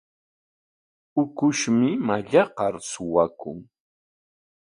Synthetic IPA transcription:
ʊkʊʃmɪmaʎɑqɑɾsʊwakʊ̰ŋ

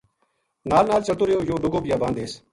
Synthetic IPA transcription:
naːlnaːlt͡ʃət̪oːɾejoːjoːɖoɡoːpɪjaːbãːnd̪eːs

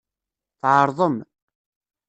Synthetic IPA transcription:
θʕəɾˤðˤəm

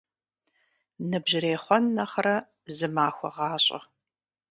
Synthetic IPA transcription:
nɨbʑɪɾeːχʷɔnːɐχɐɾɐ | zɨmaːxʷɔ̰ʁɑːɕʼɐ̰

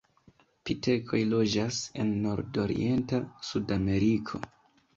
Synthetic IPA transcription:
pitʰe̞kʰo̞jlo̞d͡ʒase̞̰nːo̞ɾdo̞̰ɾḭʔe̞ntasudame̞ɾikʰo̞

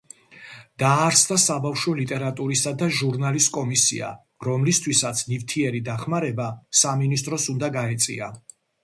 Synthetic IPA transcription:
d̪̥aːɾt̪sʰd̪asabafʃɔlit̪ʼɛɾat̪ʼuɾisad̪aʒuɾnaliskʼɔmisḭa̰ | ɾɔmlist̪ʰwisat̪sʰnift̪ʰiɛɾid̪aχmaɾɛbasaminist̪ʼɾɔsund̪aɡaɛt̪sʼḭa̰

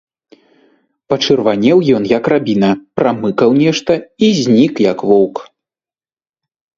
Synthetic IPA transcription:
pɐt͡ʂɨrvanʲɛwjɔnjɐkrabʲin̪ɐpɾamɨkɐwnʲɛʂt̪ɐizʲnʲikjɐkvɔwk

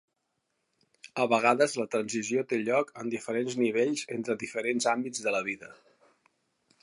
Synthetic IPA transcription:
əβəɣ̞aðəzlət̪ɾənziziot̪eʎɔkənd̪ifəɾenzniβ̞eʎzḛnt̪ɾəðifəɾenzambid͡zðələβiðə

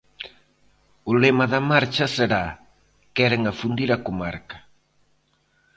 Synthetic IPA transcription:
ulemaðamaɾt͡ʃaseɾa | kɛɾeŋafund̪iɾakumaɾkḁ

